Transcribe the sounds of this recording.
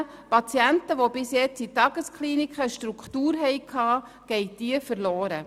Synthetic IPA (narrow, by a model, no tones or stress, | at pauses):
pɑt͡sjæntəʋobɪsjɛt͡sitɑɡ̥əskχliːnikχəʃtɾukχtuːɾɦɛjkʰɑː | ɡ̥ɛɪjd̥iəfərloːɾə